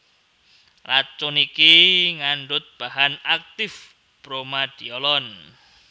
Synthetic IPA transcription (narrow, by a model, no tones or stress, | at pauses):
lat͡ʃʊnikiŋaɳɖʊt̪̚b̥ahanak̚t̪ɪf | pɾomad̥iɔlɔn